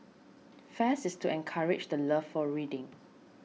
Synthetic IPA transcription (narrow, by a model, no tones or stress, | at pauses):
fɛsɪstuɛ̃nkʰaɹɪt͡ʃdələffɔɹidɪ̃ŋ